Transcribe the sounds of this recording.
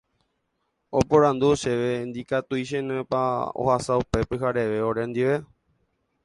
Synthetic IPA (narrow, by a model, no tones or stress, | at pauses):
o̞poɾand̪uʃeʋend̪ikat̪uiʃ̬ẽnẽpao̰hasaupe̞pɨɦaɾe̞ʋe̞oɾẽnd̪iʋe̞